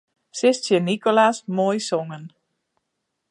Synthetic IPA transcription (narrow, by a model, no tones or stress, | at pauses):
sɪstsjənikolasmojsɔŋən